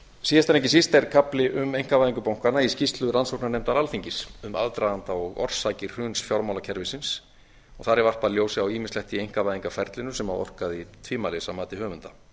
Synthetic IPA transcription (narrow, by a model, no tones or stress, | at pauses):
siːðast̪ʰanɛhcɪsist̪ɛɾkʰaplɪʔʏmejŋ̥kavajðiŋkʏpawŋ̥kanaiscist̪lʏɾansɔk̚nanɛmt̪aɾalfiɲcɪsʏma̰ðt̪ɾaðant̪aɔɣɔ̰r̥sajcɪɾ̥r̥ʏnsfjɔɾmawlacʰɛɾvɪsɪns | ɔ̰ɣθaɾɪɾvar̥paljowsɪawiːmɪnst̪lɛht̪iejŋ̥kavajðiŋkafɛɾt̪lɪnʏsɛma̰wɔ̰r̥kaðit̪ʰviːmalesamaːt̪ɪɦœːmʏnt̪ḁ